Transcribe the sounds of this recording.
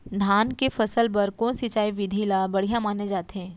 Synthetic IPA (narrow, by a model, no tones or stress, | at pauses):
d̪ʱaːnkefɐsəlpɐɾkõːsit͡ʃaːiʋɪd̪ʱilabɐɽ̤ijãmaːned͡ʒaːt̪eɦɛ̃ː